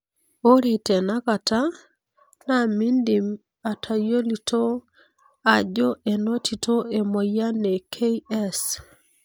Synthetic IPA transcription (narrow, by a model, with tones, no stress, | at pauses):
o˦ɾi˨te˨na˦ka˨ta˦ | na˦˨mi˦ndi˨m | a˨tʰa˨jo˦li˨to˦ | a˨d͡ʒo˦ʔe˨no˦tʰi˨tʰo˦e˨mo˨ja˦ne˨kʰe˦iɛ˦s